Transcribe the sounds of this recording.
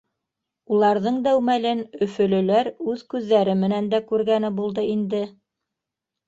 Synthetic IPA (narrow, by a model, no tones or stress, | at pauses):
ulˠɑɾðɤɴd̪æwmælɘnɵ̆fɵ̆lɵ̆læɾʉðkʉðːæɾɘmɘ̆nænd̪ækʉɾɡænɘbulˠd̪ɤind̪ɘ